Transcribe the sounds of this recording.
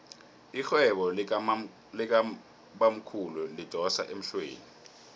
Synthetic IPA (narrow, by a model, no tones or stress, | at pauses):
ixwɛɓɔ | lɛk̬ | ɓam̩kʰululid̥ʱɔsa̰ʔem̩ɬwḛːni